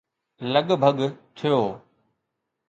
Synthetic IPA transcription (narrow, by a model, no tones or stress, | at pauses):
ləɠbʱəɠt̪ʰijoː